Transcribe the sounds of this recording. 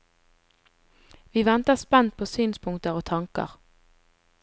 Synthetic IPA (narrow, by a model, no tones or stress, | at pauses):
ʋiːʋɛnt̪əspɛnt̪̚pʰoːsyːnspʰʊŋt̪əʁoːt̪ʰɑŋkə̰ʁ